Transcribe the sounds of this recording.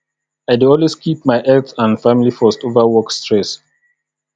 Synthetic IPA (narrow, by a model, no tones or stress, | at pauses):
aɪduɔlweskʰip̚maɪʔɛltãnfamilifɔstovawɔkstɹɛs